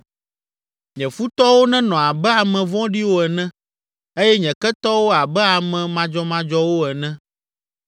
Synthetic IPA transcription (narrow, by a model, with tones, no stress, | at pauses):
ɲɛ̃˨fu˦t̪ɔ˦wo˦nɛ̃˦nɔ̃˨a˨bɛ˦a˨mɛ̃˨vɔ̃˦ɖi˦wo˦ɛ˨nɛ̃˦ | e˦jɛ˦ɲɛ̃˨kɛ˦t̪ɔ˦wo˦a˨bɛ˦a˨mɛ̃˨mã˨d͡ʒɔ˦mã˦d͡ʒɔ˦wo˦ɛ˨nɛ̃˦